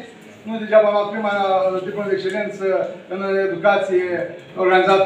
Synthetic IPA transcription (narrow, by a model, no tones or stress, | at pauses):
nud̪et͡ʃamamat̪̚pɾimat̪ipləd̪ekst͡ʃelʲe̞nt̪səɨned̪ukat̪sijeorɡanizat̪